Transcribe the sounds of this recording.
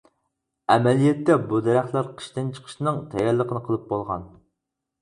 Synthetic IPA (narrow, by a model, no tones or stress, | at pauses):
ɛmɛlijɛt̪ːɛbud̪ɛɾæχt̪lˠæɾqʰə̥ʃt̪ɨnt͡ʃʰə̥qʰə̥ʃnɨŋt̪ʰɛjɛlˠəqʰənɨqʰəlˠɨp̚bolˠʁɑ̰n